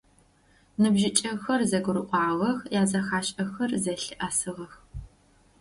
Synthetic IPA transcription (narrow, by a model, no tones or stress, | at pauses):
nɨbʒɪt͡ʃʼɐxɐrzɐɡʷʊɾɨqʷʼɑːʁɐxjaːzɐxaːɕʼɐxɐrzɐɬɨʔasɨʁɐx